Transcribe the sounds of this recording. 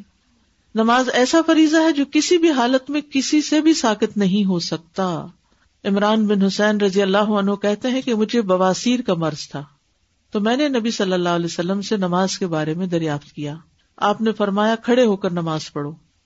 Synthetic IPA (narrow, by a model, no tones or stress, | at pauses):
nɐmaːzɛːsafɐɾiːzaɦɛd͡ʒoːkɪsibʱiɦaːlət̪mẽkɪsisebʱisaːkɪt̪nɐɦĩɦosɐk̚t̪aː | ɪmɾaːnbɪnɦʊsɛːnɾɐd̪ijəlːaːɦoɐnɦokɛɦt̪eɦɛ̃kemʊd͡ʒʱebɐʋaːsiːɾkamɐɾz̥t̪ʰaː | t̪oːmɛ̃ːnenɐbisɐlːəlːaːlɛːsɐlːəmsenɐmaːzkebaːɾemẽd̪ɐɾjaːft̪kijaː | aːpnefɐɾmaːjakʰɐɽeɦoːkɐɾnɐmaːzpɐɽoː